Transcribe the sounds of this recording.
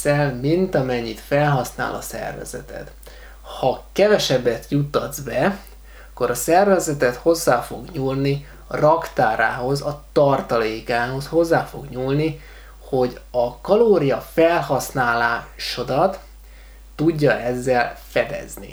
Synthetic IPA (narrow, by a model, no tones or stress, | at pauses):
ɛlmint̪ɒmɛɲːit̪fɛlɦɒsna̰ːlɒ̰sɛ̰rvɛ̰z̥ɛ̰t̪ɛ̰t̪ | hɒkɛvɛʃɛbːɛt̪jut̪ːɒd̪zbɛ | ɒkːo̞ɾɒsɛrvɛzɛt̪ɛt̪ho̞zːaːfo̞ɡɲulni | rɒkt̪aːɾa̰ːɦo̞zɒt̪ɒrt̪ɒleːkaːɦo̞sho̞zːaːfo̞ɡɲuːlni | ho̞ɟɒkɒloːɾijɒfɛlɦɒsnaːlaːʃo̞d̪ɒt̪ː | uɟːɒɛzːɛlfɛd̪ɛ̰znḭ